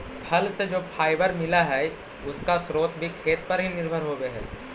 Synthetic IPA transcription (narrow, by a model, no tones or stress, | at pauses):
pʰɐlsed͡ʒoːpʰaːɪbəɾmɪlaɦɛː | ʊskasɾoːt̪bʱikʰeːt̪̚pɐɾɦinɪɾbʱəɾɦoɡeɦɛ̰ː